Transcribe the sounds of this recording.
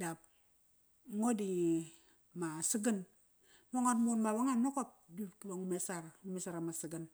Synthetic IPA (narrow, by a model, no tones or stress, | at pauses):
dap̚ | ŋodi | masiɡən | woŋanmunmawaŋannokop̚dukwoŋmesaɾamisaɾamasiɡən